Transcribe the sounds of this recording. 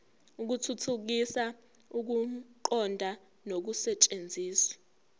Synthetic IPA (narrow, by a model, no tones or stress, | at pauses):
uk̬utʰutʰuk̬isa | uk̬uǃɔndʱa | nok̬usɛt͡ʃʼend͡zʱiːsḁ